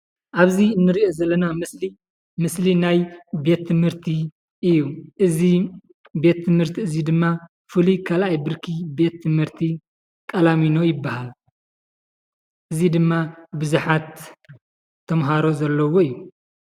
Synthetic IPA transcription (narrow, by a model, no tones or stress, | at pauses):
ʔaβziɨnːɨɾiʔo̞zɐlːɐnamɨsli | mɨslinajbe̞t̪ːɨmhɨɾt̪ʰi | ʔɨjːuʔɨzi | be̞t̪ʰːɨmhɨɾt̪ʰiɨzid̪ɨmːa | fɨlikʰalajbɨɾkʰibe̞t̪ʰːɨmhɨɾt̪ʰi | kʼɐlamino̞jɪbːahal | ʔɨzid̪ɨmːabɨzuħat̪ | ɐmɦaɾo̞zɐlːɐwo̞ijːu